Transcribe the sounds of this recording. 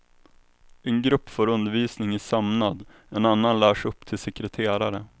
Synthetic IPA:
ɛnɡɾɵpːfoːɾɵnd̪əɾviːsnɪŋɪsamnad̪ | ɛnanːanlæːʂɵpːt̪ʰɪlsɛkɾɛt̪ʰeːɾaɾə

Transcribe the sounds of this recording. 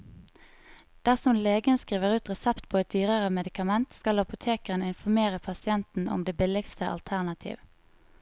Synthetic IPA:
d̪̥æʁsɔmleːɡənskʁiːʋəʁʉːt̪ʁɛsɛpt̪pʰoːɛt̪̚d̪yːʁəʁəmɛd̪ɪkɑmɛnt̪skɑlɑpʊt̪ʰeːkəʁənɪnfɔmeːʁəpʰɑsɪɛnt̪n̩ɔ̰md̪eːbɪlɪɡst̪əʔɑ̰lt̪ʰæʁnɑt̪ʰḭːʋ

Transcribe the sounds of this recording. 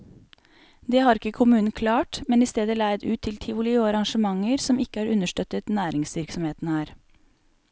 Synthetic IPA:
d̪eːhɑːɾɪkəkʰʊmʉːnn̩kʰlɑːʈmɛniːst̪eːd̪əlæɪd̪ʉːt̪ʰːɪlt̪ʰiːʋʊlɪuːɑɾɑŋʃəmɑŋəɾsɔmɪkəæːɾʉnəʃʈœt̪ət̪næːɾɪŋsʋɪɾksɔmheːt̪n̩hæːɾ

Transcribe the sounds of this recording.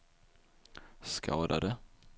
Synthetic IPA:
skɑːd̪a̰d̪ə

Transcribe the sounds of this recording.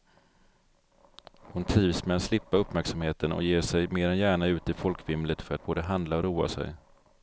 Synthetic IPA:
hʊnt̪ʰɾiːvsmɛat̪slɪpːaɵpːmæɾksamheːt̪ənɔ̰jeːʂɛjmeːɾɛnjæːɳaʉ̟ːt̪ɪfɔlkʰvɪmlət̪fœɾat̪̚b̥oːd̪əɦand̪laɔɾuːa̰sɛ̰j

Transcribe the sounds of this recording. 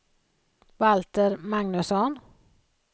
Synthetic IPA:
valt̪əɾmaŋnʉsɔn

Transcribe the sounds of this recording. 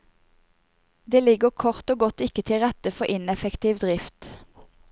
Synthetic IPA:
d̪eːlɪɡəʁkʰɔʁt̪oːɡɔt̪ɪkət̪ʰɪlʁɛt̪əfɔʔɪnɛfɛkt̪ʰiːʋd̪ʁɪft̪

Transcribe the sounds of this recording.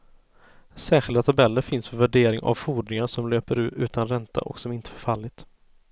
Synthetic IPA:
sæːɧɪld̪at̪ʰabɛlːəɾfɪnsfœɾvæɖeːɾɪŋʔa̰vfuːd̪nɪŋaʂɔmløːpəɾʉ̟ːɾʉ̟ːt̪ʰanɾɛnt̪ʰa̰ʔɔ̰ksɔmɪnt̪ə̥fœɾfalːɪt̪

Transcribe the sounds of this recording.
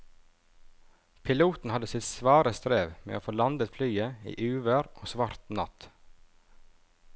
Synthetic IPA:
pʰɪluːt̪n̩hɑd̪əsɪt̪sʋɑːɾəst̪ɾeːʋmḛːo̰ːfoːlɑnd̪ət̪flyːəḭːʔʉːʋəɾʔoːsʋɑːɾt̪nɑt̪

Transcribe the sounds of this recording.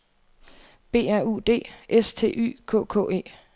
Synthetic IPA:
b̥e̝̰ːæɐ̰ṵːd̥e̝̰ːʔest͡sʰe̝̰ːʔy̰ːkʰɔ̰̽ːkʰɔ̰̽ːe̝̰ː

